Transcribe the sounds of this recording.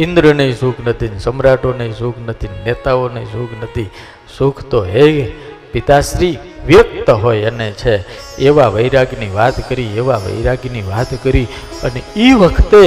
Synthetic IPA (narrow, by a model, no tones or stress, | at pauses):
ind̪ɾənəĩsukʰnət̪ʰinsəmɾaʈonəĩsukʰnət̪ʰinnet̪aonəĩsukʰnət̪ʰi | sukʰt̪oe | pit̪aʃɾi | ʋjək̚t̪əɦojənet͡ʃʰeːʋaʋəjɾaɡniʋat̪kəɾieʋaʋə̰jɾaɡniʋat̪kəɾi | əneiʋəkʰt̪e